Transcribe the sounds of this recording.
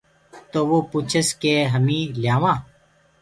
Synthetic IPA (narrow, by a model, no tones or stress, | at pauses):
t̪oːʋoːpuːt͡ʃʰəskeːɦəmĩːljaːʋãː